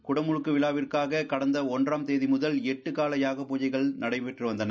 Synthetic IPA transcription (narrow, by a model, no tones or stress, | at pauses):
kʊɽɐmʊɻɯkːɯʋɪɭaːʋɪrkaːɣɐkɐɽɐnd̪ɐɔndraːmt̪eːðimʊðɐlɛʈːɯkaːlɐjaːɣɐpuːd͡ʒɐɪɣɐɭnɐɽɐɪpɛʈrɯʋɐnd̪ɐnɐ